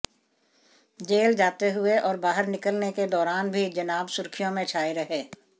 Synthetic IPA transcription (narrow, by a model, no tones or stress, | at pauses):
d͡ʒeːld͡ʒaːt̪eɦʊeʔɔːɾbaːɦəɾnɪkəlneked̪ɔːɾaːnbʱid͡ʒɐnaːbsʊɾkʰɪjõmẽt͡ʃʰaːiɾɐɦeː